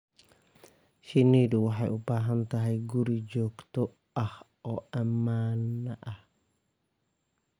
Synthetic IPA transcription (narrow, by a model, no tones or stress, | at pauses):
ʃɪnːiːd̪ʊwɑħɑjʔʊbaːɦɐnt̪ɐɦɛjɡʊɾid͡ʒɔːɡt̪ɔ | ʔɐh | ɔːʔɐmaːnːɐʔɐh